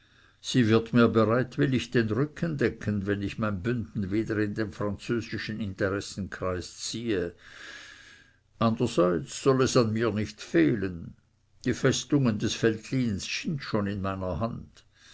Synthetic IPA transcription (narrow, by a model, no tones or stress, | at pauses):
siːvɪɐtmiːɐbeʁaɪtvɪlɪçd̥enʁʏkʰəndɛkʰənvɛnɪçmaɪnbʏndn̩veːdəʁɪndeːnfʁ̥ant͡søːzɪʃn̩ɪnteʁɛsn̩kʁ̥aɪst͡siːə | ʔandəz̥aɪt͡sːɔlɛsanmiːɐnɪçtfeːlən | d̥iːfɛstʊŋəndɛsfɛltʰliːnssɪntʃoːnɪnmaɪnɐɦand